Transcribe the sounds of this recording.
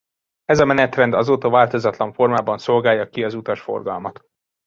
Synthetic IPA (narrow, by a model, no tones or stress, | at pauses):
ɛzɒmɛnɛt̪rɛnd̪ɒzoːt̪ɒvaːlt̪o̞zɒt̪lɒɱfo̞rmaːbɒnso̞lɡaːjːɒkiɒzut̪ɒʃfo̞̰rɡɒlmɒt̪